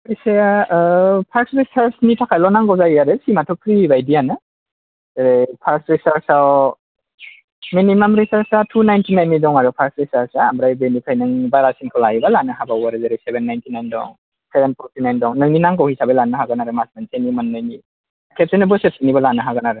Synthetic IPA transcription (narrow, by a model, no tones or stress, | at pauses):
isaja | pʰaɾksɾisaɾsnitʰakʰajlɔnaŋɡɔwzajjaɾɯsimatʰɔkʰɾibajdianɯ | zeɾepʰaɾsɾisaɾsaw | minimamɾisaɾsatʰunajntʰinajnːidɔŋaɾɔpʰaɾsɾisaɾsaambɾajbenikʰajnɯŋbaɾasinkʰawlajibalanɯɦabawaɾɯzaɾejsebenːajntʰinajndɔ̰ŋ | sebenpʰɔɾtʰinajndɔŋnɯninaŋkawhisabelanɯɦaɡɯnaɾɯmasmansenimɯnːajni | kʰep̚senɯbɯset̚inibalanɯɦaɡɯnaɾɯ